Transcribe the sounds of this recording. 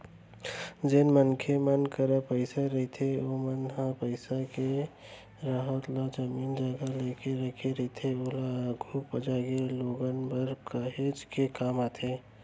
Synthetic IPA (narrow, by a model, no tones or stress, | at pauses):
d͡ʒeːnmənkʰemənkəɾapəɪsaɾəɦit̪ʰeomənɦãpəɪsake | ɾaɦət̪lad͡ʒəmiːnd͡ʒəɡalekeɾəkʰeɾət̪ʰeolaɡʱupəd͡ʒaɡeloːɡənbəɾkəɦed͡ʒkekaːmat̪ʰe